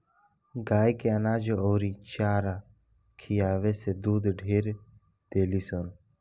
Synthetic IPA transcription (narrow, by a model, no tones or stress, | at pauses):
ɡaːjkeɐnaːd͡ʒooːɾit͡ʃaːɾa | kʰijaːʋesed̪uːd̪ɖʱeːɾ | d̪̥eːliːson